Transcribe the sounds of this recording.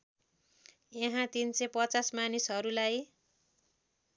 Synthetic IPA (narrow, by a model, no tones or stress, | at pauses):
jeɦãt̪insepʌt͡sasmanisɦʌɾulaj